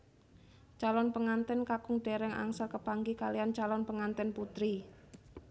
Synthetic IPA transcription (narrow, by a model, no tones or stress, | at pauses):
t͡ʃalɔnpəŋant̪ɛnkakʊŋɖ̥eɾɛŋʔa̰ŋsəlkəpaŋɡikaliant͡ʃalɔnpəŋant̪ɛnput̪ɾi